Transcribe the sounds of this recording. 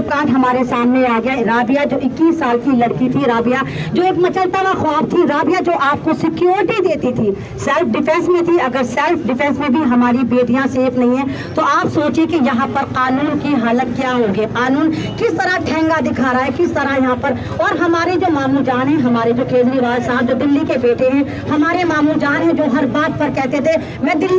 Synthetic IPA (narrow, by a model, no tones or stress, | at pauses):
pkãːʈɦɐmaːɾesaːmneaːɡɐjaɾaːbijad͡ʒoːɪkːiːsːaːlkilɐɽkit̪ʰiɾaːbijad͡ʒoːeːkmɐt͡ʃəlt̪aʋaxɔːft̪ʰiɾaːbijad͡ʒoːʔaːp̚kosɪkjoːɾɪʈid̪eːt̪it̪ʰi | sɛːlfʰɖɪpʰɛ̃nsmẽt̪ʰiɐɡəɾsɛlpʰɖɪfɛ̃ːnsmẽbʱiɦɐmaːɾibeːd̪ʱijãseːfʰnɐɦĩɦɛ̃ː | t̪oʔaːpsoːt͡ʃekejɐɦãpɐɾqaːnuːnkiɦaːlək̪̚kjaːɦoːɡeːqaːnuːnkɪst̪ɐɾaʈʰɛ̃ːŋɡad̪ɪkʰaːɾaːɦɛkɪst̪ɐɾajɐɦãpɐɾ | ɔːɾɦɐmaːɾed͡ʒoːmaːmuːld͡ʒaːnɦɛ̃ɦɐmaːɾed͡ʒoːkẽːd͡ʒ̪ɾiʋaːlsaːb̚d͡ʒoːd̪ɪlːikebeːʈeɦɛ̃ | hɐmaːɾemaːmuːld͡ʒaːnɦɛ̃d͡ʒoːɦɐɾbaːd̪̚pɐɾkɛːɦt̪et̪ʰe | mɛ̃ːd̪ɪlː